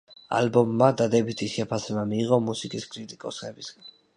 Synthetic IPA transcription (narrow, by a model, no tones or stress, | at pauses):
a̰lbɔmːad̪ad̪ɛbit̪ʰisʃɛpʰasɛbamiːʁɔmusikʼiskʼɾit̪ʼikʼɔsχɛbisɡan